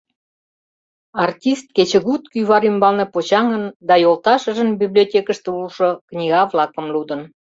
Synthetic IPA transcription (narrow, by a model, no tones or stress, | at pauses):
ɑrtʲist̪̚ket͡ɕə̆ɣut̪kyβɑɾymbɑlnepot͡ɕɑŋənd̪ɑjolˠt̪ɑʃə̆ʒənbiblʲiotʲekə̆ʃt̪ĕulʃoknʲiɣɑvlɑkə̆mlud̪ə̆n